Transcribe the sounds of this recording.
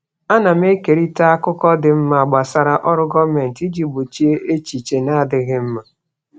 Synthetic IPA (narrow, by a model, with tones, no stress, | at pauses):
a˦na˨m˦e˦ke˨ɾi˦ta˦a˦kʊ˦kɔ˦dɪ˨m̩˦ma˨a˨ɡ͡ba˨sa˦ɾa˦ʔɔ˦ɾʊ˦ɡɔ˦me˨n̩˨ti˦d͡ʒi˨bʊ˨t͡ʃi˦e˦ʔe˦t͡ʃi˨t͡ʃe˨na˦dɪ˨ɣɪ˦m̩˦ma˨